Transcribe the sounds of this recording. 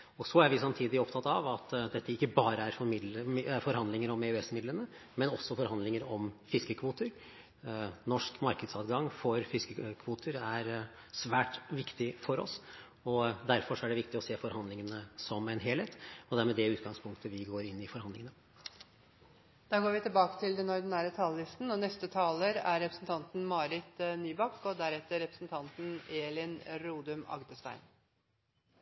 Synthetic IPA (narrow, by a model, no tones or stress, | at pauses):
ɔsɔæɾʋɪsɑmt̪ʰiːd̪ɪɔp̪ʰɑt̪ːɑʋɑt̪d̪ɛt̪ːəɪkːəbɑːɾəæɾfɔɾmɪd̪ləmæɾfɔɾhɑnd̪lɪŋəɾɔmeʉɛsmɪd̪lənə | mɛnɔsːɔfɔɾhɑnd̪lɪŋəɾɔmfɪskəkʰʋuːt̪əɾ | nɔʂkmɑɾkəd̪sɑːd̪ɡɑŋfɔɾfɪskəkʰʋuːt̪ʰəɾæɾ | sʋæːʈʋɪkt̪ɪfɔɾɔ̰s | ɔd̪æɾfɔʂɔæɖɛʋɪkt̪ɪɔseːfɔɾhɑnd̪lɪŋənəsɔmɛɪnɦeːlheːt̪ɔd̪ɛæɾmɛd̪ɛʉːt̪ɡɑŋspʰʊŋk̚t̪ʰəʋɪɡoːɾɪnːɪfɔɾhɑnd̪lɪŋənə | d̪̥ɑːɡoːɾʋɪt̪ɪlbɑːkə̥t̪ʰɪld̪ɛnɔɾd̪ɪnæːɾət̪ʰɑːləlɪst̪n̩ɔnɛst̪ət̪ʰɑːləɾæɾɛpɾəsn̩t̪ʰɑnt̪n̩mɑːɾɪt̪nyːbɑkːɔd̪æɾɛt̪ːəɾɛpɾəsnt̪ʰɑnt̪n̩eːlɪnɾuːd̪ʉmɑ̰ɡd̪əst̪æ̰ɪn